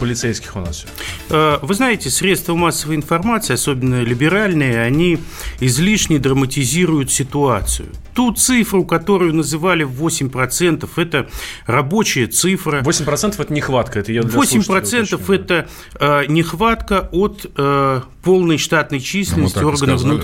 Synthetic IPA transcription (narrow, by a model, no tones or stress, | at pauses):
pəlʲɪt̪sɛjskʲɪ̥xʊna̰s | əvɨznajɪtʲɪsɾʲe̞t̪st̪vəmasːəvəjɪnfɐrmat̪sɨɪɐso̞bʲɪnːəlʲɪbʲɪɾalʲnɨjəɐnʲi | ɪzlʲiʂnʲɪd̪ɾəmətʲɪzʲiɾʊjʊt̪sʲɪt̪ʊat̪sɨ̰jʊ̰t̪ut̪sɨfɾʊkɐt̪o̞ɾʊjʊnəzɨvalʲɪvo̞sʲɪmʲpɾɐt̪sɛnt̪əfɛt̪ərɐbo̞t͡ɕɪjət̪sɨfrəvosʲɪmʲpɾɐt̪sɛnt̪əfɛt̪ənʲɪxvat̪̚kəɛt̪əjad̪vlʲosʲɪmʲpɾɐt̪sɛnt̪əfɛt̪ə | nʲɪxvat̪kəo̞t̪əpo̞lˠnəjʂt̪at̪nəjt͡ɕis̬ʲlʲɪnəsʲtʲɪo̞rɡənəvnut̪